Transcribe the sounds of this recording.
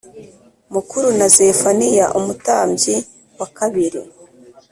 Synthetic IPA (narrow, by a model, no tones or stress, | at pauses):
mukuɾunazefanijaʔumutaːmɟi | wakaβiɾḭ